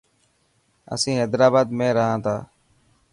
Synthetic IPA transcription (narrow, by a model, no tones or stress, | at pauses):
ə̰sĩːɦɛːd̪ɾaːbaːd̪mẽːɾəɦãːt̪ʰaː